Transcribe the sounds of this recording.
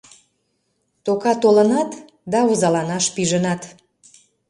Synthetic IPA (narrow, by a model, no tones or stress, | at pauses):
t̪okɑt̪olə̆nɑt̪ | d̪ɑuzɑlɑnɑʃpiʒənɑt̪